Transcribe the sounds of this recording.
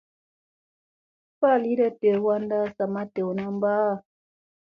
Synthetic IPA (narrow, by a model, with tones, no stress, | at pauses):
fa˦˨li˦ɾə˦te˨wa˦nda˦sa˨ma˦te˨wna˦m˦baː˦˨